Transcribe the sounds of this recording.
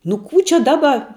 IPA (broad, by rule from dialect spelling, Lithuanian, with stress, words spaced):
nʊ ˈkuː t͡ʃʲɛ ˈdɑːbɐ